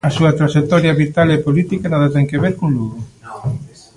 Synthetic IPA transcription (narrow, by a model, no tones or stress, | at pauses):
ɐsuɐt̪ɾaʃekt̪ɔɾjaβit̪alepolit̪ikanaðat̪ɛŋkeβeɾkõŋluɣo